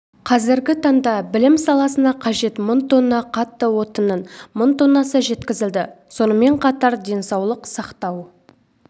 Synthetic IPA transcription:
qʰɑzɪɾɡʲɪt̪ʰɑɴd̪ɑbɪlɪmsɑlˠɑsənɑqʰɑʒe̞t̪mənt̪ʰonːɑqʰɑt̪ːəwo̞t̪ənənmənt̪ʰonːɑsəʒe̞t̪kʲɪzɪld̪ɪ | so̞nəme̞ɴqʰɑt̪ɑɾd̪e̞nsɑwlˠəqsɑqt̪ɑw

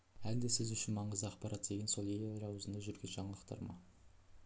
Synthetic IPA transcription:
æld̪esɪzʏʃɪnmɑɴəzd̪əɑqpɑɾʔɑt̪̚d̪e̞ɡʲenso̞lˠejɾɑwzənd̪ɑʒʏɾɡʲenʒɑɴɑlˠəqt̪ɑ̰ɾmɑ̰

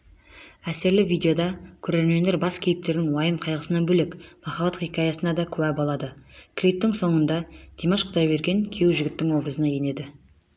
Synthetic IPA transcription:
æseɾlɪvijd̪ʲe̞o̞d̪ɑkʲʰɵɾe̞ɾmend̪e̞ɾbɑskʲʰe̞jɪp̚t̪e̞ɾd̪ɪŋwɑjəmqʰɑjʁəsənɑnbɵle̞kmɑχɑbɑt̪χikʲɑjɑsənɑd̪ɑkʲʰɵbæbolˠɑd̪əkʲʰlʲip̚t̪ɪŋso̞ɴənd̪ɑd̪̥emɑʃqʰʊd̪ɑjbe̞ɾɡʲe̞ŋkʲʰe̞wʒɪɡʲɪt̪ːɪŋwo̞bɾəzənɑje̞ne̞d̪ɪ

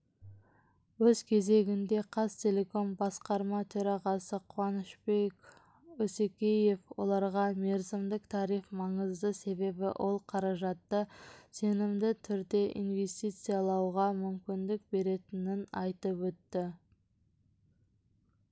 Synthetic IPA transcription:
wɵzkʲʰe̞ze̞ɡʲɪnd̪e̞qʰɑst̪ʲʰe̞lʲe̞ko̞mbɑsqɑɾmɑt̪ʰɵɾɑʁɑsəqʰʊwɑnɪʃbe̞kʲ | ɵsekʲe̞je̞fwo̞̰lˠɑɾʁɑme̞ɾzɪmd̪ɪkt̪ʰɑɾifmɑɴəzd̪əse̞be̞bɪ̰ʔo̞lˠqʰɑɾɑʒɑt̪ːəse̞nɪmd̪ɪt̪ʰʏɾd̪e̞ʔḭnve̞st̪ijt̪sɨjɑlˠɑwʁɑmʏmkʲɪnd̪ɪk̚be̞ɾe̞t̪ɪnɪnɑjt̪əpwɵt̪ːɪ

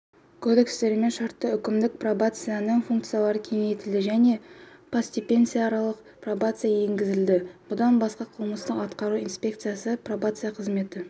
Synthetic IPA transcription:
kʰod̪e̞kst̪e̞ɾme̞nʃɑɾt̪ːəʏkʲɪmd̪ɪk̚probat̪sɨjanəɴfuŋk̚t̪sɨjalˠɑɾəkʲʰe̞ŋe̞jt̪ɪld̪ɪʒæne̞pʰasd̪ʲipʲe̞nsɨjaːɾɑlˠəq | pro̞bat̪sɨjaje̞ŋɡʲɪzɪld̪ɪb̥ʊd̪ɑnbɑsqɑqʰəlˠməst̪əqɑt̪qɑɾuinspʲe̞kt̪sɨjasəpro̞bat̪sɨjaqʰəzme̞t̪ɪ

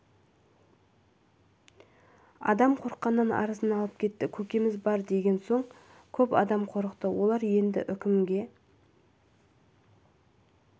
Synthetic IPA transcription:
ɑ̰d̪ɑmqʰo̞ɾəqːɑnːənɑ̰ɾəzənɑlˠəp̚kʲʰe̞t̪ːɪkʲʰɵkʲe̞mɪzbɑɾd̪e̞ɡʲe̞nso̞ɴ | kʲʰɵpɑ̰d̪ɑmqʰo̞ɾəqt̪əwo̞lˠɑɾje̞nd̪ɪ̰ʔʏkʲɪmɡʲe̞

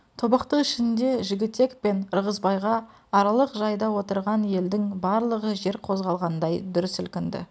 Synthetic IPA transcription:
t̪ʰo̞bɑqt̪əqɪʃɪnnd̪e̞ʒɪɡʲɪt̪ːe̞kpe̞nəɾʁəzbɑjʁɑː | ɾɑlˠəqʒɑjd̪ɑwo̞t̪əɾʁɑnje̞ld̪ɪŋbɑɾlˠəʁəʒe̞ɾqʰo̞zʁɑlˠʁɑnd̪ɑjd̪ʊɾɪsʏlkʲɪnd̪ɪ̰

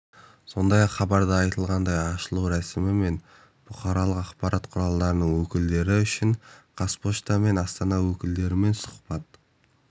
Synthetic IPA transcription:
so̞nd̪ɑjɑqχɑbɑɾd̪əɑjt̪əlˠʁɑnd̪ɑjɑʃəlˠuwɾæsɪmɪme̞n | b̥ʊqɑɾɑlˠəqɑqpɑɾɑt̪qʰʊɾɑlˠd̪ɑɾənəɴwɵkʲɪld̪e̞ɾɪʏʃɪɴqʰɑspo̞ʃt̪ɑme̞nɑst̪ɑnɑwɵkʲɪld̪e̞ɾɪme̞nsʊ̥qpɑt̪̚

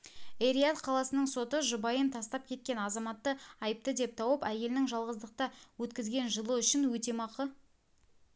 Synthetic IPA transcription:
eɾijat̪qʰɑlˠɑsənəɴso̞t̪əʒʊbɑjənt̪ʰɑst̪ɑp̚kʲʰe̞t̪̚kʲe̞nɑzɑmɑt̪ːəɑjəp̚t̪əd̪e̞p̚t̪ʰɑwəpæje̞lɪnɪŋʒɑlˠʁəzd̪əq̚t̪ɑwɵt̪kʲɪzɡʲe̞nʒəlˠəʏʃɪnwɵt̪e̞mɑqə

